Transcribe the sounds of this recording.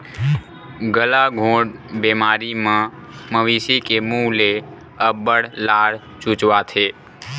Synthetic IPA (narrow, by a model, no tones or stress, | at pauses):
ɡəlaɡʱõɽbɛmaɾimãməʋisikemũle | əbəɽlaɽ | t͡ʃũt͡ʃʋatʰe